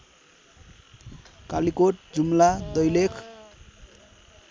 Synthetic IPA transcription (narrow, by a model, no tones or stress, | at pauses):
kalikoʈ̚d͡zumlad̪ʌjlekʰ